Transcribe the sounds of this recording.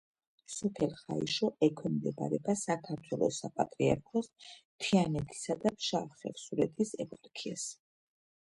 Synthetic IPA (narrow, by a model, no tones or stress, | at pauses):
sɔpʰɛlˠχaḭʃɔɛkʰwɛmd̪ɛba̰ɾɛbasakʰaɾt̪ʰwɛlˠɔ̰sapʼat̪ʼɾia̰ɾkʰɔst̪ʰianɛt̪ʰi̥sad̪apʃaχɛ̰ɾsuɾɛt̪ʰisɛpʼaɾkʰias